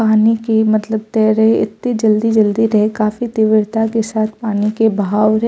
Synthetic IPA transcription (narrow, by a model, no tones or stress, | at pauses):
aːnikemɐt̪ləb̚t̪ɛːɾɐɦeɪ̰t̪ːed͡ʒɐld̪id͡ʒɐld̪iɾɐɦekaːfit̪ɪʋɪɽt̪akesaːt̪ʰpaːnikebʱaːwɾɐɦ